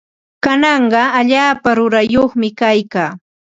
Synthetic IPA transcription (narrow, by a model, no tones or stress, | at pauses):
kanɑɴɢɑaʎaːpaɾʊɾajoχmɪkajkaː